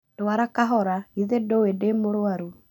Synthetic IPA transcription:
d̥oaɾakaɦɔɾaiðedowedemoɾoaɾu

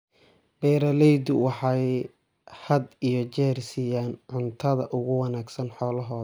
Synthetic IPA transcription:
b̥ɛːɾɐlɛjd̪ʊwɑħɑj | hɐd̪ijɞt͡ʃɛːrsiːjaːnʕʊnt̪ʰɐðɐʔʊɣʊwɑnaːɡsɐnħɔːlɐɦɔːɐ

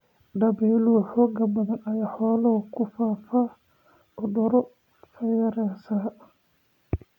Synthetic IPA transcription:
ɖɐβɛːluħɔːɡɐbɐðɐnɐjaːħɔːlɐkʰʊfaːfaː | ʊɖɔɾɔ | fɐjɐɾɛsaː

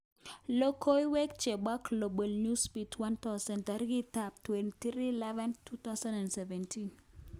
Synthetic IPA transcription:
lokʰoiwɛk̚t͡ʃebɔklobəlnuspitʰwant̪ɔsɛntaɾɡitap̚twɛntɾilɛvɛntʰut̪asãnɛ̃nsɛvɛntʰin

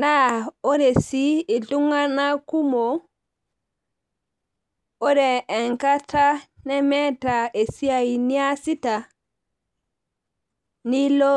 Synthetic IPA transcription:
naɔɾɛsiɛɬuŋanakumɔ | ɔɾɛːŋkatanɛmɛtaʔɛsiajniasita | nilɔ

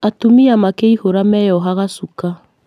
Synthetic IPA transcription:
atomiamakeihoɾamɛjɔɦaɣasuka

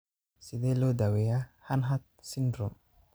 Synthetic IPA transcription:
sid̪elod̪aweahanɦat̪̚sindɾɔm

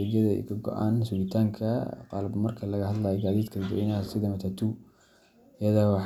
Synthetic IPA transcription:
ɛɡɐðɐɛ̰jkʰɐɡɔ̰ʔa̰ːnsuːlɪt̪ʰaːŋkʰɐqɑlbmɐrkʰɐlɐɣɐhɐd̪laːjɛɡaːðiːd̪kʰɐdɪd̪ɔ̰ɪnaːsɪðɐmɐt̪ʰɐt̪ʰu | jɐðawɑħ

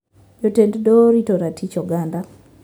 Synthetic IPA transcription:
jotenddoɾitoɾatʰit͡ʃɔɡanda

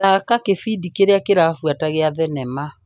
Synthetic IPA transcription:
akakefidikeɾeakeɾafwataɣeaðɛnɛma

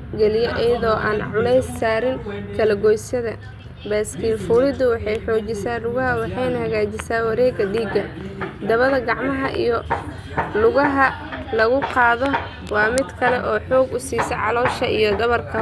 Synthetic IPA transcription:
ɡɛlɪjɐʔɛjɐðɔːʔa̰ːnʕʊlɛjsːaːɾɪŋkʰɐlɐɡɔjsɐðɐ | bɛːskʰiːlfuːlɪd̪ʊwɑħɑjħɔːt͡ʃɪsaːlʊɣɐɦɐwɑħɑjnɐhɐɣaːt͡ʃɪsaːwɑɾɛːɡɐɖiːɡɐd̪ɐβɐðɐɡɑʕmɐɦɐʔḭjɔ | lʊɣɐɦɐ | lɐɣʊqɑːðɔ | wɑːmɪd̪kʰɐlɛʔɔːħɔːɡʊsiːsɐʕɑlɔːʃɐʔḭjɔd̪ɐβɐrkʰɐ

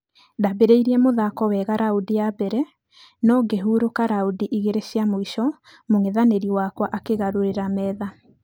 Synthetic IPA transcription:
dabeɾeiɾiɛmoðakɔwɛɣaɾaudiabɛɾɛ | nɔɡeɦuːɾokaɾaudiʔiɣeɾeɕiamoiʃɔ | moŋeðaneɾiwakwaʔakeɣaɾoɾeɾamɛːða

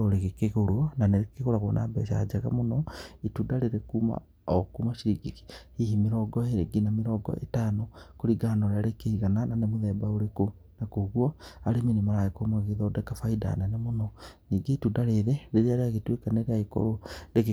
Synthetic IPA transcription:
oɾeɣekeɣoɾoɔnaneɾekeɣoɾaɣwɔnʔa̰bɛʃa̰d͡ʒaɣa̰monɔituːdaɾeɾekuma̰ | ɔkumaʃiɾiɡiki̥hihimeɾɔɡɔeɾeɡinameɾɔɡɔ̰ʔḛtaːnokoɾiɡanɔɾeaɾekeiɣanananemoðɛːbaoɾeko | nakoɣwɔaɾeminemaɾaekomaɣeðɔːdɛkafaida̰nanemonɔniːɡeitudaɾeðeɾeɾeaɾeaɣetwekaneɾeaiko̰ɾoɾeɣ

